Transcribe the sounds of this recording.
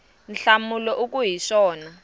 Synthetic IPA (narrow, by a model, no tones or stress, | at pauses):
n̩ɬamulɔʔuk̬ʼuɦiʂɔːna